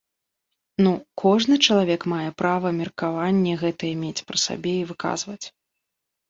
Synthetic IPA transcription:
nukʰɔʐnɨt͡ʂɐlˠavʲɛkmajɛpɾavɐmʲɛrkavanʲːɛɣɛt̪ɐjɛmʲet͡sʲpɾɨsa̰bʲɛivɨka̰zvɐt͡sʲ

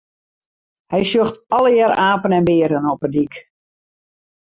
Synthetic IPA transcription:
hɛjsjøxtɔləjaɾaːpənɛnbɪəɾənɔpədik

